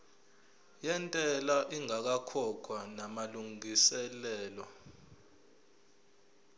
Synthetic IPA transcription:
jɛntʼɛlaʔiŋak̬akʰɔkʰwanamaluŋisɛlɛːlɔ

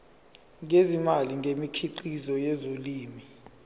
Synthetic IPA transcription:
ŋezimaliŋɡʱemikʰiǃizɔjɛzoliːmi

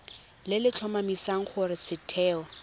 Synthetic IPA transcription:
lɪlɪt͡ɬʰɔmamisaŋ̩χʊɾɪt͡sʰɪtʰɛːɔ

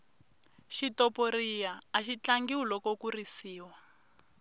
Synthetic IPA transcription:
ʃitɔpoɾijaːʃit͡ɬaŋɡiwulɔkɔkurisiːwa

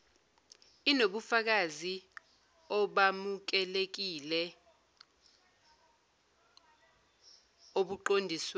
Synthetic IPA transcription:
inoɓufak̬azi | ɔɓamuk̬ɛlek̬ilɛ | oɓuǃondʱisw

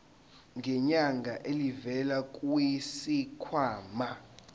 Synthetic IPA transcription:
ŋɡʱɛɲaŋɡʱaʔelivɛlak̬ʼuisikʰwaːma

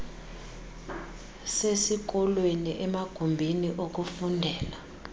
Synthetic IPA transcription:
sesik̬ɔlweniʔɛmaɡ̥ʱumbʱiniʔok̬ʼufundʱɛːla

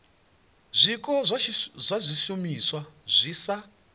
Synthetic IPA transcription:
zʷikʼɔzʷzʷazʷiʃumiswazʷisa

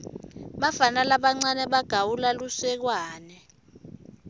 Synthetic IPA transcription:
ɓafanalaɓaŋ͡ǀanɛɓaɡ̥ʱawulalusɛk̬waːnɛ

